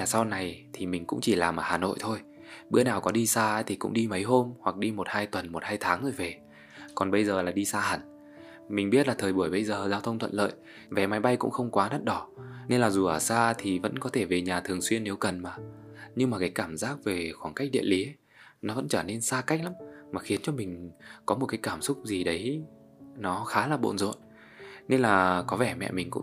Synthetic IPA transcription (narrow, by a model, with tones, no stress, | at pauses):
laː˨˩sa˧wna˨˩jt̪ʰi˨˩mï˨˩ŋ̟kʊ̰˧˥ŋ͡mt͡ɕi˧˩laː˨˩mʔəː˧˩haː˨˩no̰˧˨jt̪ʰo˧j | ɓɨ̰˧˥ənaː˨˩wkɔ˨˦ɗi˧saː˧˨˦t̪ʰi˨˩kʊ̰˧˥ŋ͡mɗi˧mə˨˦jɦo˧mhwa˨˩k̚ɗi˧mo˨˩t̚haː˧jt̪wə˨˩nmo˨˩t̚haː˧jt̪ʰaː˨˦ŋzo˧˩jve˨˩ | kɔ˨˩nɓə˧jzəː˨˩laː˨˩ɗi˧saː˧hə˨˧˩n | mï˨˩ŋ̟ɓi˦˥t̚laː˨˩t̪ʰəː˨˩jɓu˧˩əjɓə˧jzəː˨˩zaː˧wt̪ʰə˧wŋ͡mt̪ʰə̰˧˨nlə̰ː˧˨j | vɛ˨˩ma˨˦jɓa˧jkʊ̰˧˥ŋ͡mxə˧wŋ͡mkwaː˨˦nə˦˥t̚ɗɔ˧˩ne˧nlaː˨˩zu˨˩ʔəː˧˩saː˧t̪ʰi˨˩və̰˧˥nkɔ˨˦t̪ʰe˧˩ve˨˩ɲaː˨˩t̪ʰɨ˨˩əŋswi˧ənːe˨˦wkə˨˩nmaː˨˩ɲɨ˧ŋmaː˨˩kaː˨˦jkaː˧˩mzaː˦˥k̚ve˨˩xwaː˧˩nka˦˥k̟̚ɗḭ˧əli˨˦ | nɔ˨˦və̰˧˥nt͡ɕəː˧˩ne˧nsaː˧ka˦˥jk̟̚la˨˦mmaː˨˩xi˨˦ənt͡ɕɔ˧mï˨˩ŋ̟kɔ˨˦mo˨˩t̚kaː˨˦jkaː˧˩msʊ˦˥k͡p̚zi˨˩ɗə˨˦j | nɔ˨˦xaː˨˦laː˨˩ɓo̰˧˨nzo̰˧˨n | ne˧nlaː˨˩kɔ˨˦vɛ˧˩mɛ̰˧˨mï˨˩ŋ̟kʊ̰˧˥ŋ͡m